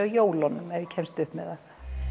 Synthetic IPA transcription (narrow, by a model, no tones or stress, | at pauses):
ajoːwlɔnːʏmɛvjɪcʰɛmst̪ʏhpmɛða